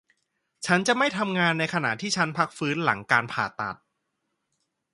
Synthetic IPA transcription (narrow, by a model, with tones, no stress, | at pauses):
t͡ɕʰa˦˥nt͡ɕa˨˩ma˥˩jt̪ʰa˧mŋaː˧nːa˧jkʰa˧na̰˨˩ʔt̪ʰiː˥˩t͡ɕʰa˦˥npʰa˦˥k̚fɯː˦˥nla̰˩˦ŋkaː˧npʰaː˨˩t̪a̰˨˩t̪̚